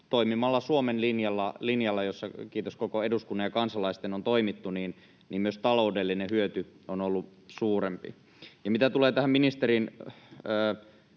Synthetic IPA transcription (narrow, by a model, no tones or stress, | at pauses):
t̪oimimɑlːɑsuomenlinjɑlːɑlinjɑlːɑjosːɑkiːt̪oskokoeduskunːɑjɑkɑnsɑlɑist̪enont̪oimit̪ːuniːn | niːmmyøst̪ɑloudelːinehyøt̪yonolːusuːɾempḭ | jɑmit̪æt̪uleːt̪æhæmminist̪eɾinəː